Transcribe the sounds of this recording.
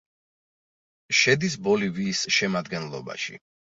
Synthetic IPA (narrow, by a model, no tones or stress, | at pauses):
ʃɛd̪is̬bɔliviːsʃɛmad̪ɡɛnlˠɔ̰ba̰ʃḭ